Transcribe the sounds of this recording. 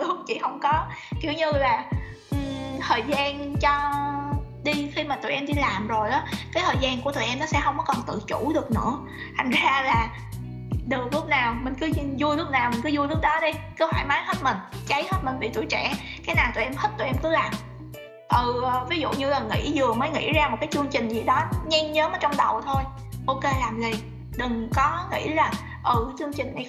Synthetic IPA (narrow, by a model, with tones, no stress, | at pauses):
lɨ˦˥k̚t͡ɕḭ˧˩hə˧wŋ͡mkɔ˨˦ki˧˩wɲɨ˧laː˨˩ | ʔɨ˨˩t̪ʰəː˨˩jzaː˧nt͡ɕɔ˧ | ɗi˧xi˧maː˨˩t̪ṵ˧˨˩ʔɛ˧mɗi˧laː˨˩mzo˨˩jʔɔː˨˦kaː˨˦jt̪ʰəː˨˩jzaː˧nku˧˩ət̪ʰəː˧˨˩jʔɛ˧mnɔ˨˦sɛ̰˧˥ɦə˧wŋ͡mkɔ˨˦kɔ˨˩nt̪ɨ̰˧˨t͡ɕu˧˩˥ɗɨ˨˩ək̚nɨ̰˧˥ə | t̪ʰa˨˩jŋ̟zaː˧laː˨˩ | ɗɨ˨˩k̚lʊ˦˥k͡p̚naː˨˩wmï˨˩ŋ̟kɨ˨˦˧zu˧əlʊ˦˥p̚naː˨˩wmï̟˨˩k̬ɨ˨˦zu˧lɨ˦˥ək̚ɗɔ˨˦ɗə˧jkə˧˦haː˧˩jmaː˨˦jhə˦˥t̚mï˨˩ŋ̟t͡ɕa˨˦jhəː˦˥t̚mï˨˩ŋ̟ɓḭ˧˨t̪ṵ˧˩˨jt͡ɕɛ˧˩ | kaː˨˦jnaː˨˩t̪ːjʔɛ˧mhə˦˥t̚t̪ṵ˧˩ʔɛ˧mkɨ˨˦laː˨˩m | ʔɨ˧˨˩vi˨˦zṵ˧˨ɲɨ˧laː˨˩ŋḭ˧˥zɨ˨˩əməː˨˦jŋḭ˧˥zaː˧m˨˩t̚kaː˨˦jt͡ɕɨ˧əŋt͡ɕï˨˩ŋ̟zḭ˨˩ɗɔ˨˦ɲɛ˧nɲəː˨˦məː˨˦jt͡ɕɔ˧wŋ͡mɗə˨˩wt̪ʰo˧j | ʔo˧ke˧laː˨˩mli˨˩ | ɗɨ˨˩ŋkɔ˨˦ŋḭ˧˥laː˨˩ | ʔɨ˨˩˨t͡ɕɨ˧əŋt͡ɕï˨˩ŋ̟ʔa˨˩